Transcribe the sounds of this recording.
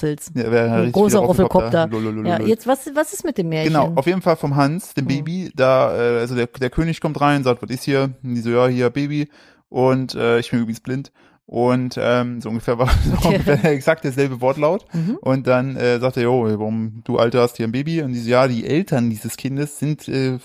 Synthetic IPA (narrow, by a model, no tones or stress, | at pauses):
fl̩sjaveːʁɪçtɡʁoːsɐʁɔlflɔkʰɔɐlolololjajɛt͡stvasvasɪsmɪt̚d̥eːmːeːɐɡəçnaʊaʊfjeːdn̩falfɔmɦansd̥eːmbeːbid̥aːʔɛːʔalzodeːɐd̥eːɐkʰøːnɪçkʰɔmtʁaɪnʊntzaːktv̥ɔtɪshiːɐnd̥iːzojaːhiːɐbeːbi | ʔʊntʔɛːɪçb̥ɪnyːbʁɪɡŋsb̥lɪnt | ʔʊntʔɛːmzoːʔʊnŋɡəfeːɐvaːzoʔʊɡəfɛɐeːɐɛksak̚t̚d̥eːɐzɛlbəvɔɐtlaʊt̩ʔʊnt̚d̥anʔɛːzaːkteːɐjʔovaʁʊmd̥uːʔa̰ltəhasthiːɐnbeːbiʊntd̥iːzəjaːdiːʔɛ̰ltʰɐndiːzəskʰɪndəsz̥ɪntʔɛː